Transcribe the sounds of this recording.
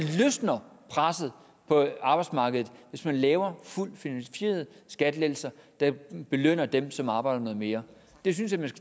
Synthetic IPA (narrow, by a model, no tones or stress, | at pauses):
løsnɐpʰʁasð̩ˠ | pʰɒ̽ɑ̈b̥ɑ̈ɪd̥smɑ̈ːɡ̥əð̞̩ˠʋe̝smænlɛːʊɐful̰d̥finænfe̝̰ːɐð̞ˠsɡ̥æd̥le̥l̩sɐd̥ɑ̈b̥e̝løn̰ɐd̥emsɒ̽mɑ̈ːb̥ɑ̈ɪd̥ɐnɔ̽ːð̩ˠme̝ːɐ | d̥e̝synsjæmæn